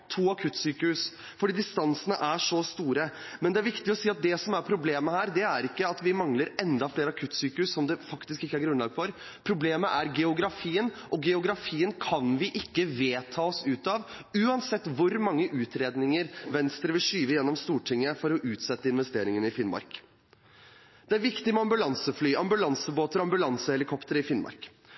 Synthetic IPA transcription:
t̪ʰuːɑkʰʉt̪ːsyːkəhʉs | fɔɖiːd̪ɪst̪ɑnsənəʔæʂɔst̪uːɾəmɛnd̪ɛæɾʋɪkt̪ɪɔsiːɑt̪̚d̪ɛsɔmæɾpʰɾʊbleːməhæːɾd̪ɛæɾɪkːəɑt̪ʋɪmɑŋləɾɛnd̪ɑfleːɾəɑkʰʉt̪ːsyːkəʉssɔmd̪ɛfɑkt̪ɪskɪkːəæɾɡɾʉnlɑːɡfɔɾ | pʰɾʊbleːməʔæɾɡɛʊɡɾɑfiːənʔɔɡɛʊɡɾɑfiːənkʰɑnʋɪʔɪkːəʋeːt̪ʰɑːɔsʉːt̪ɑʋʉːɑnsɛt̪ːʋʊɾmɑŋːəʔʉːt̪ʰɾeːd̪nɪŋəɾʋɛnst̪ɾəʋɪlʂyːʋəjɛnːɔmst̪uːʈʰɪŋːəfɔɾɔʔʉːt̪sɛt̪ːəɪnʋɛst̪eːɾɪŋənɪfɪnmɑ̰ɾk | d̪̥ɛæɾʋɪkt̪ɪmɛɑmbʉlɑnsəflyːʔɑmbʉlɑnsəboːt̪əɾɔɑmbʉlɑnsəhɛlɪkʰɔpt̪əɾəɪfɪnmɑ̰ɾk

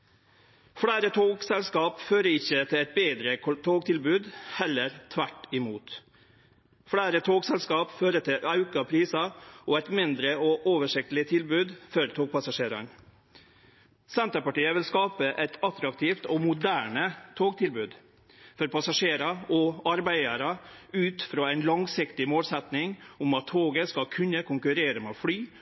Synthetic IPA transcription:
fɽæːɾət̪ʰoːɡsɛlskɑːpføːɾəɪçːət̪ʰɪlæɪt̪̚beːd̪ɾəkt̪ʰoːɡt̪ʰɪlbʉːd̪hɛlːəɾt̪ʰʋæʈɪmuːt̪ | fɽæːɾət̪ʰoːɡsɛlskɑːpføːɾət̪ʰɪʔɑʉkɑpʰɾiːsɑʔɔːæɪt̪mɪnd̪ɾəʔɔːʔoːʋəʂɪk̚t̪lɪt̪ʰɪlbʉːd̪fɔɾt̪ʰoːɡ̚pʰɑsɑʂeːɾɑ̰ɳ | sɛnt̪əpɑʈiːəʋɪlskɑːpəʔɛɪt̪ɑt̪ɾɑk̚t̪ʰiːft̪ɔːmʊd̪æːɳət̪ʰoːɡt̪ʰɪlbʉːd̪ | fɔɾpɑsɑʂeːɾɑɔɑɾbæɪəɾɑʉːt̪fɾoːæɪnlɑŋsɪkt̪ɪmoːlsɛt̪nɪŋʊmɑt̪ʰːoːɡəskɑkʰʉnəkʰʊŋkʉɾeːɾəmeːfɽyː

